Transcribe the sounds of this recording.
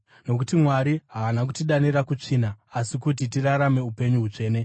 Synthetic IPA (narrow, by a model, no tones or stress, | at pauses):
no̞kutimwaɾiɦaːnakutiɗanirakut͡ʂinaːsikut̬it̬iraɾame̞upe̞ɲuɦut͡ʂe̞ːne̞